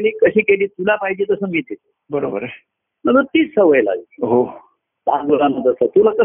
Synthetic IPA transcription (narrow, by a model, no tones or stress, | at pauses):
eliːkəɕiːkeliːt̪ulapajd͡ʑiːt̪əsəmiːt̪et̪e | bəɾobəɾ | məɡəɾt̪iːt͡ssəʋəjla̰ɡɦo | p̪a̰əlaməd̪əɾsət̪ulakə